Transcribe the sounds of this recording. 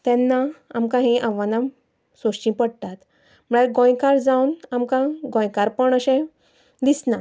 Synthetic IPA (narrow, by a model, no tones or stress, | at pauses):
t̪ɛ̃nːaamkãɦĩʔaʋanam | soɕt͡ɕĩpəɽt̪at̪ | m̤əɭaɡɔ̃jkaɾd͡zawnamkãɡɔ̃jkaɾpəɳəɕẽ | d̪isna